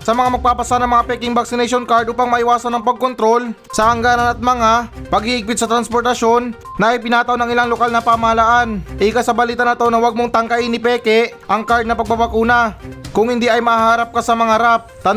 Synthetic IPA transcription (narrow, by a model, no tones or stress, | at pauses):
sɐmɐŋamɐɡ̚paːpɐsanɐŋmɐŋapɛkɪŋbɐksɪnɛjʃonkaɹd̪̚ʔuːpaŋmɐʔɪwaːsɐnɐŋpɐɡ̚kont̪ɾo̞l | sɐʔɐŋɡaːnɐnɐt̪̚mɐŋapɐɡhiʔɪɡ̚pɪt̪̚sɐt̪ɾɐnspoɾt̪ɐʃo̞nː | ɐʔɐjpɪnaːt̪ɐʔonɐŋɪlaŋlokalnɐpaːmɐhɐlaʔanʔɪkasɐbɐliːt̪ɐnɐt̪o̞nɐwɐɡ̚moŋt̪ɐŋkaʔinɪpɛːkɛʔɐŋkaɹd̪̚nɐpɐɡ̚pabɐkuːnɐkʊŋhɪnd̪iʔɐjmɐɦaːɾɐp̚kasɐmɐŋaɐɾap̚t̪ɐ